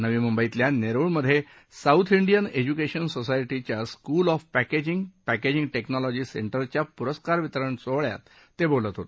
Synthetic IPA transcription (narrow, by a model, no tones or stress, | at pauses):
nəʋiːmumbəit̪ljaneɾuɭməd̪ʱːje | saut̪ʰiɳɖijəned͡ʑukeɕənsosajʈit͡ɕjaskuːlɔfpæked͡ʑiŋɡpæked͡ʑĩŋɡʈeknɔlɔd͡ʑiːseɳʈəɾt͡ɕjapuɾəskaɾʋit̪əɾəɳt͡soɭja̰t̪ː | ebolət̪ɦot̪